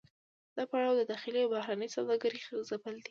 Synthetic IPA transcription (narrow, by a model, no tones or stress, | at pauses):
d̪̥apaɽawd̪əd̪ɑxɪliawbahɾanəjsawd̪ɑɡaɾixəzapəld̪i